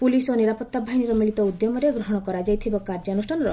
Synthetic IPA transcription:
pulisoniɾapɔt̪ːabʱaɦiniɾɔmiɭit̪ɔud̪jɔmɔɾeɡɾɔɦɔɽ̃ɔkɔɾad͡ʒajt̪ʰibɔkaɾd͡ʒanusʈʰanɔɾɔ

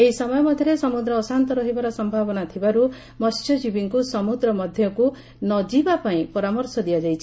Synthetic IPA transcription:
eɦisɔmɔjɔmɔd̪ʱjɔɾesɔmud̪ɾɔːsant̪ɔɾɔɦibaɾɔsɔmbʱabɔnat̪ʰibaɾu | mɔst͡ʃɔd͡ʒibiŋkusɔmud̪ɾɔmɔd̪ʱjɔku | nɔd͡ʒibapaĩpɔɾamɔɾsɔd̪ijad͡ʒajt͡ʃʰi̥

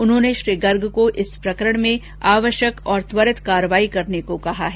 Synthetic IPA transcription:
ʊnɦõːneʃɾiːɡɐɾɡkoʔɪspɾɐkəɾəɽ̃mẽ | aːʋəʃjəkɔːɾt̪ʋəɾɪt̪kaːɾəʋaːikɐɾnekokɐɦaɦɛː

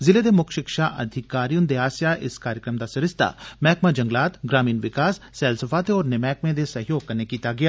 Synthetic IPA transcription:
zɪled̪emʊkʰʃɪkʃaʔɐ̰d̪ʱɪkaːɾijʊnd̪eaːsjaʔɪskaːɾjəkɾəmd̪aːsɐɾɪst̪a̰mɛːkmad͡ʒə̃ŋɡlaːt̪ɡɾaːmiːnʋɪkaːssɛːlsəfaːt̪eɔːɾnɪmɛːkmẽd̪esɐɦjoːɡ̚kɐɾnekiːt̪aɡɪjaː

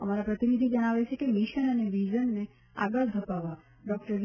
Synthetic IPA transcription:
əmaɾapɾət̪inid̪ʱid͡ʒəɽ̃aʋet͡ʃʰekemiʃənəneʋid͡ʒənːe | a̰ɡəɭd̪ʱəpaʋa | ɖɔk̚ʈəɾʋ

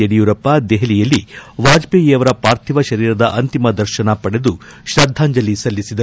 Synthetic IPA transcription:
eɽijuɾɐpːɐd̪ɛɦelijɐlːiʋaːd͡ʒbeːɡiɐʋɐɾɐpaːɾt̪ʰiʋɐʃɐɾiːɾɐd̪ɐʔɐnt̪imɐd̪ɐɾʃɐnɐpɐɽed̪uʃɾɐd̪ʱːaːɲd͡ʒɐlisɐlːisid̪ɐ

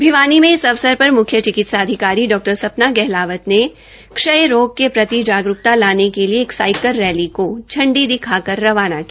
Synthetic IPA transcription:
bʱiʋaːnimẽɪsɐʋsəɾpɐɾmʊkʰjət͡ʃɪkɪt̪saːd̪ʱɪkaːɾiɖɔːk̚ʈəɾsɐpnaɡɛɦlaːʋət̪ne | kʃəjɾoːɡ̚kepɾɐt̪id͡ʒaːɡɾʊk̚t̪alaːnekelieːksaːɪkəlːɛːlikod͡ʒʰɐ̃ɳɖid̪ɪkʰakɐɾːɐʋaːnakia

